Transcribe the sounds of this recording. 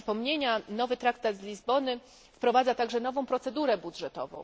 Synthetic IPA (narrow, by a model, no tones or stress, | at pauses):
pɔmɲeɲanɔvɘt̪ɾakt̪ad̪zlʲizbɔnɘ | fpɾɔvad̪zat̪aɡʐɛnɔvɔ̃w̃pɾɔt̪sɛd̪uɾɛbudʐɛt̪ɔ̰vɔ̰̃w̃